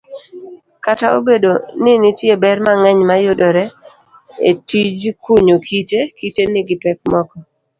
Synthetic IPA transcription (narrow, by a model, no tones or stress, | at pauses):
katao̰bedonɪnɪtjebɛrmaŋɛɲmajʊdɔɾɛ | ḛtid͡ʒkuɲokʰitekitenɪɡɪpɛk̚mɔkɔ